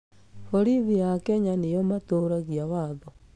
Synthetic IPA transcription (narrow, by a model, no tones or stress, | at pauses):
hoɾiðijakɛɲanejɔmatoːɾaɣiawaðɔ